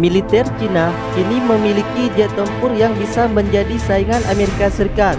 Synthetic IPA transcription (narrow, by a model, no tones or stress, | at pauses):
milit̪ɛrt͡ʃina | kiniməmilikid͡ʒɛt̪əmpʊrjaŋbisaməɲd͡ʒadisaiŋanʔameɾikasəɾikat̪̚